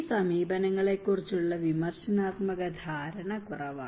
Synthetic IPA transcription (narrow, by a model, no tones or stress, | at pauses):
sɐmiːbɐnɐŋːɐɭe̞kːurit͡ɕːuɭːɐʋimɐrɕɐnaːt̪mɐɣɐd̪ʱaːɾɐɳɐkurɐʋa̰